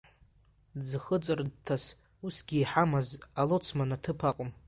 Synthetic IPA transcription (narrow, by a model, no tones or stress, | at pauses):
d͡zɨχət͡sʼɨrdtʰas | usɡʲiːħamazalot͡sʰmanatʰɨpʰaqʼʊm